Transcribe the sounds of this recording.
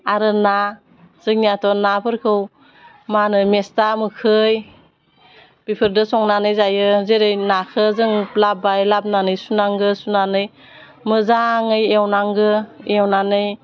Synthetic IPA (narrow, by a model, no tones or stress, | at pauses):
aɾɯna | z̥ɯŋnijatʰɔnapʰɯɾkʰɯw | manɯmestamɯkʰɯj | b̥ipʰɯɾdɯsɔŋnanɯjzajɯzeɾɯjnakʰɯzɯŋplabajlab̚nanɯjsunaŋɡɯsunanɯj | mɯzaŋɯjewnaŋɡɯewnanɯj